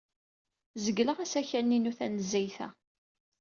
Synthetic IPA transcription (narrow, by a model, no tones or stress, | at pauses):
zəɡːləʁæsæçænːinuθænəzːæjθæ̰